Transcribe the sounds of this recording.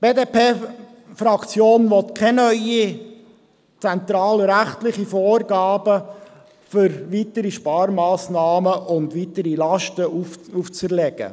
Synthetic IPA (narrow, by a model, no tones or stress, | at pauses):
b̥eːdeːpʰeː | fɾɑkt͡sjoːnʋɔt̪kʰɛnœʏi | t͡sɛnt̪ɾɑːlɾæχtlɪχifoːrɡɑːbə | fʏɾʋit̪əɾiʃpɑːɾmɑːsnɑːməʔʊnd̪ʋitəɾilɑʃtəʔuuft͡səɾlɛɡ̥ə̰